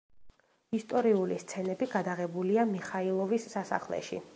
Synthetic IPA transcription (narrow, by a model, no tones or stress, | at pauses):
ist̪ʼɔɾiulist̪sʰɛnɛbiɡad̪aʁɛbuliamiχailˠɔvisːasa̰χlɛ̰ʃḭ